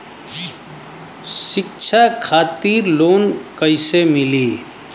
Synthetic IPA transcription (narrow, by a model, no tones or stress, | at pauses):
ʃɪkt͡ʃʰakʰaːt̪iːɾloːnkəɪsemɪliː